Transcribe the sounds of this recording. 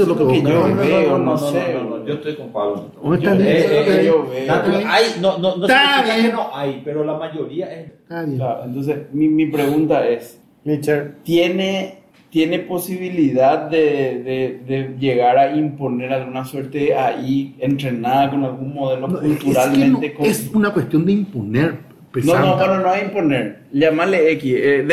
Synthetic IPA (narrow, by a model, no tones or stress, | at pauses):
lokeoβeonõsẽõnõd͡ʒost̪ojkoŋpaɣonet̪od͡ʒoaeeoβeajnõnõnokenoʔajpeɾolamaʝo̞ɾiaʔe | aklaɾo̰ʔent̪o̞ns̬esmimipɾe̞ɣũnt̪ae̞s | it͡ʃet̪je̞ne | t̪je̞ne̞po̞siβiliðaðːeðeðeʝe̞ɣaɾaimpo̞ne̞ɾalɣunasweɾt̪eeaient̪ɾenaðako̞nalɣunmo̞ð̞e̞lokult̪uɾalmẽnt̪ekoesunakwest̪jond̪eimponeɾ | penonoenonoaimpo̞neɾ | ʎamaleekieð